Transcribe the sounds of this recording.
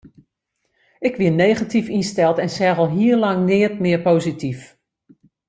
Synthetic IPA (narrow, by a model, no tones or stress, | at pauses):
ɪkʋɪneːχatifinstɛlˠtɛnsɛɣəlˠɦiərlaŋnɪət̚mɪərpoːzitʰif